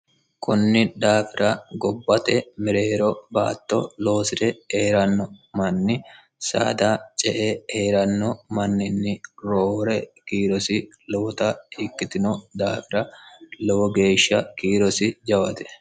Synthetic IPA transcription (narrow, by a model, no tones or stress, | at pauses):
kʊnːɪd̪aːfɪɾɐɡɔbːɐt̪ɛmɪɾe̞ːɾɔba̰ːt̪ːɔ̰lo̞ːsɪt̪ɛeːɾɐnːɔmɐnːɪ | sa̰ːd̪aːt͡ʃʼɛʔeheːɾɐnːɔmɐnːɪnːɪɾoːɾɛkiːɾɔsɪ | lɔwɔt̪ɐhɪkːɪt̪ɪnɔd̪aːfɪɾɐlɛwɔɡe̞ːʃːɐkiːɾɔsɪd͡ʒɐwɐt̪ɛ̥